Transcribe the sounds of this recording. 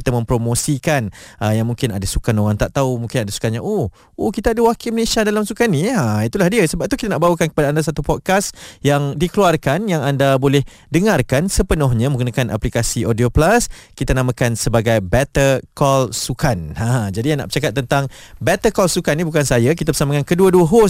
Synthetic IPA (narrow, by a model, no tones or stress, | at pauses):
kit̪amə̃mpɾomõsikanʔəjaŋmũŋkɪna̰dasukanoɾaŋt̪aʔt̪aumũŋkɪnadasu̥kanɲaʔo | ohkit̪aːdəwakiməlesiadalamsukaniait̪ulahdiəsəbap̚t̪ukit̪anaʔbawəkankə̥padaːndas̬at̪upɔt̪̚kasjaŋdikəluarkanjaŋandabolɛh | dəŋarkansəpənɔɦɲãmə̃ŋɡunakanʔa̰plikasiʔodioplaskit̪anamãkansəbaɡajbɛt̪ərkɔlsukanãd͡ʒadijaŋna̰ʔbə̥t͡ʃakat̪̚ːənt̪aŋbɛt̪əkɔlsukanːibukansajak̬it̪abəsamakankəduəduəɦo